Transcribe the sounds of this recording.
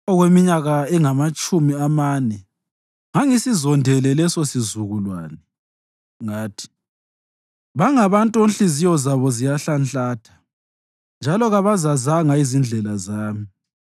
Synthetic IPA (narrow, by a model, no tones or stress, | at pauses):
ɔɣwemiɲaɣaɛŋamat͡ʃʼumiamaːnɛ | ŋaŋisizɔndʱɛlɛlɛsosizuɣulwaːnɛ | ŋaːtʰi̥ | βaŋaβantʼuonɬizijɔzaβɔzijaɬanɬaːtʰḁ | nd͡ʒʱalɔɣaβazazaŋaizind͡ɮʱɛlazaːmi